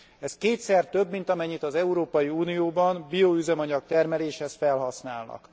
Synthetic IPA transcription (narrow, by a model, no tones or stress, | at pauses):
ɛskeːt̪sɛrt̪ø̞bːmint̪ɒmɛɲːit̪ɒzɛuɾoːpɒjiuːnijoːbɒnbijoyzɛmɒɲɒkt̪ɛrmɛleːʃhɛsfɛlɦɒsnaːlnɒ̰k